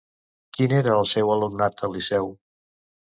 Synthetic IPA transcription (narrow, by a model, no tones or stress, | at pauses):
kineɾəːlˠsɛwəlumnat̪əlisɛw